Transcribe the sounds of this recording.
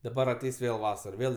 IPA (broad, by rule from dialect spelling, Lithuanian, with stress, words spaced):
dɐˈbɐr ɐˈtʲɛɪs ˈʋʲeːlˠ ˈʋɑːsɐr ˈʋʲeːlˠ